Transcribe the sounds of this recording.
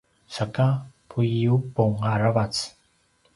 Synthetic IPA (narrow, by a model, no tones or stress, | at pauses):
sakapʰujiupoŋaɾavat͡s